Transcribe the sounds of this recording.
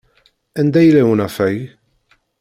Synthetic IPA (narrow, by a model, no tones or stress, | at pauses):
ɪnd̪ɛjlɛwnɐfɛj